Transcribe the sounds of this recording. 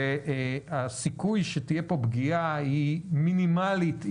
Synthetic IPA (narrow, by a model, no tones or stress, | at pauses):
asikujʃet̪ijepo̞bɡiaiminimalit̪